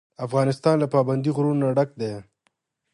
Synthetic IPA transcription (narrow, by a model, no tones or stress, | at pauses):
afɣɑːnɪst̪ɑːnlapɑːband̪iɣɾunnːaɖak̚d̪e